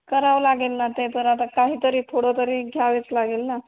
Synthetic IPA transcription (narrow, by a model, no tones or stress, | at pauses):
kəɾaʋlaɡelnat̪ep̪əɾat̪akaɦiːt̪əɾiːfʰoɽɔt̪əɾiːɡʱjaʋet͡slaɡelna